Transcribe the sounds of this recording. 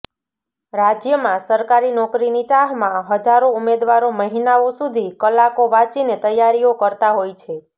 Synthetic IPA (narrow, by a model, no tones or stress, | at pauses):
ɾad͡ʒjəmãsəɾkaɾinɔkɾinit͡ʃaɦmãɦəd͡ʒaɾoumed̪ʋaɾoməɦinaosud̪ʱikəlakoʋat͡ʃinet̪əjaɾiokəɾt̪aɦojt͡ʃʰe